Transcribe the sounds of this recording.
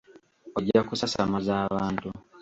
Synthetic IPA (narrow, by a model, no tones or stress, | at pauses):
oɟːakusasamazaːβaːntu